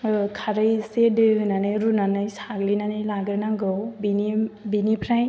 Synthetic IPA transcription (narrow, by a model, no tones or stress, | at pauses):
kʰaɾɯjsedɯɦɯnanɯjɾunanɯjsaɡlinanɯjlaɡɯɾnaɡɯwbinibinipʰɾaj